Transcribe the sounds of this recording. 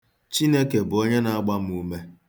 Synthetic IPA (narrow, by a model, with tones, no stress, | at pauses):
t͡ʃi˦ne˦ke˨bʊ˨o˦ɲe˦na˦a˦ɡ͡ba˦m̩˦u˦me˦